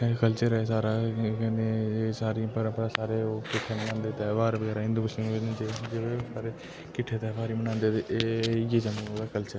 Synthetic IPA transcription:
kəlt͡ʃəɾɛːsaːɾaːkəneːesaːɾĩpəɾəpɾasaːɾeːokɪʈʰːemənãːnd̪eːt̪ɛːʋaːɾʋəɡɛːɾaːɦɪ̃nd̪uːpəsɪ̃oːd͡ʒnẽd͡ʒed͡ʒeʋeːsaːɾeː | kɪʈʰːeːt̪ɛːʋaːɾiːmənãːnd̪eːt̪eeːɪjeːd͡ʒəmõoːd̪aːkəlt͡ʃəɾ

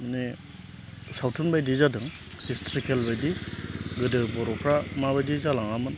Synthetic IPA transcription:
mani | sawtʰunbajdizadɯŋ | histʰɾikʰelbajdiɡɯdɯbɔɾɔkʰɾamabajdizalaŋamɯn

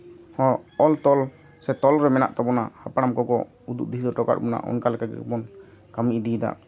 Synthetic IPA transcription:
hɔɔlt̪ɔl | sɛt̪ɔlɾɛmɛna̰ʔt̪ɔbɔnahapaɽamkɔkɔ | ud̪ṵʔ̚d̪id̪ɔʈɔka̰ʈ̚bɔna̰ʔɔ̰nkalɛkaɡɛ̰bɔn | kamiʔd̪id̪a̰ʔ

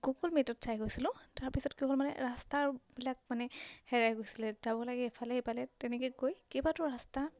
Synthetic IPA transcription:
kɔkɔlmitɔtsajɡojsilʊ̃taɹpisɔtkiɦɔlmanɛ̰ɹastaɹbilak̚manɛhɛɹajɡojsilɛzabɔlaɡɛːpʰalɛɦɛpalɛtɛnɛkɛkojkɛbatʊɹasta

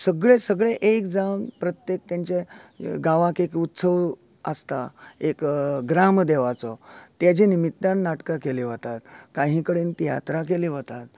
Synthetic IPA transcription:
səɡɭesəɡɭeʔekd͡zaʋnpɾət̪jek̚t̪jaɲt͡ɕeɡaʋãkekut̪səʋ | ə̰st̪aekɡɾamd̪eʋat͡sɔt̪ːjat͡ɕinimit̪nannaʈkakeliʋot̪at̪̚kãɦĩkəɽeːnt̪ija̰t̪ɾak̬eliɦot̪at̪

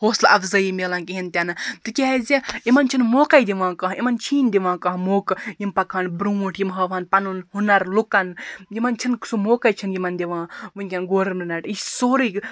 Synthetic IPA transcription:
hoːslɐfzɐjimelãnkiɦint̪ʲɐnɨt̪ɨkʲiɦɐziimɐnt͡ʃʰinmoːkɐjd̪iʋãːkɐɦimɐnt͡ʃʰiːnd̪iʋãːkɐɦmoːkjimpɐkʰɐnbɾuːʈʰjimɦɐʋanpɐnunhunɐɾlukɐnjimɐnt͡ʃʰinksumoːkɐjt͡ʃʰinjimɐnd̪ʲiʋãːʋɨnʲkʲɐnɡoːɾɐmɨnɐʈisoːɾɨk

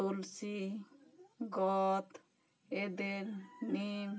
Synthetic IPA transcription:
ulsi | ɡɔt̪ | ɛd̪ɛɾnim

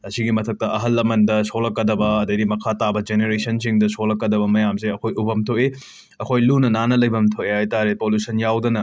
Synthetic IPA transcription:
ɐsiɡimɐtʰɐk̚tɐʔɐɦɐlːɐmɐndɐsolɐkːɐdɐbɐɐdɐdimɐkʰatabɐd͡ʒeneɾesʰɐns̬iŋdɐsolːɐkːɐdɐbɐmɐjamseɐkʰojubʱɐmtʰoe | ɐkʰojlunɐnanɐlɐjbɐmtʰoehajtaɾepolusʰɐnjawdɐnɐ

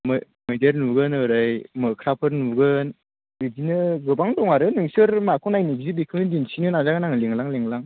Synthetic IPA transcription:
mɯ | mɯjdeɾnuɡɯnɯɾɯjmɯkʰɾapʰɯɾnuɡɯn | biinɯɡɯbaŋdɔŋaɾɯnɯŋsɯɾmakʰɔnajnɯɡzibikʰɯnidinsinɯnazaɡɯnaŋɯleŋlaŋleŋlaŋ

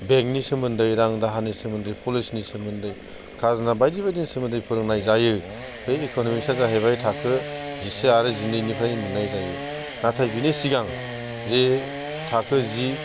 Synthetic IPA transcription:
bek̚nisɯmɯndɯjɾaŋdaɦanisɯmɯndɯjpʰolisnisɯmɯndɯj | kʰaznabajdiβajdinsɯmɯndɯjpʰɯɾɯŋnajzajɯ | pʰejekʰonomisazaɦeβajtʰakʰɯziseaɾɯzindɯjnipʰɾajninɯnajzajɯ | natʰajbinesiɡaŋ | ze | tʰakʰɯzi

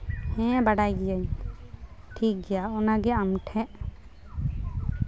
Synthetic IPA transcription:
hɛ̃baɖajɡɛjəɲ | ʈʰik̚ɡɛjaɔnaɡɛamʈʰɛʔ

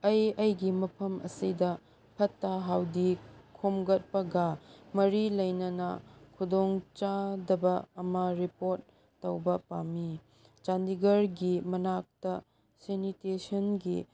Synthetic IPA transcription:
ɐjɐjɡimɐpʰɐmɐ̰sidɐ | pʰɐtːɐɦawdikʰomɡɐt̚pɐɡamɐɾilɐjnɐnɐkʰudoŋt͡ʃadɐbɐɐmɐɾipotː | ɐwbɐpami | d͡ʒandiɡɐɾɡimɐnak̚tɐ | senitesɐnɡḭ

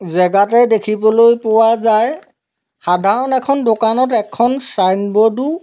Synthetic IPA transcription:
zɛɡatɛdekʰibɔlojpɔwazaj | xadʱaɹɔnɛkʰɔndokanɔt̬ɛkʰɔnsajnbodu

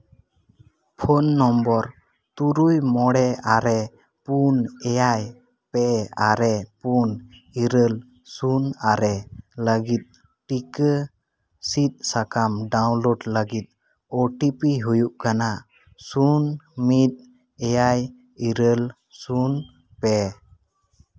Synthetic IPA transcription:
pʰonːɔmbɔɾ | t̪uɾujmɔɽɛaɾɛ | punɛjaj | pɛaɾɛpuniɾəl | sunaɾɛləɡit̪̚ | ʈikə | sit̪̚sakamɖawnloɖləɡit̪̚ | ɔʈipiɦujuʔ̚kana | sunmit̪̚ | ɛjaj | iɾəl | sun | pɛ

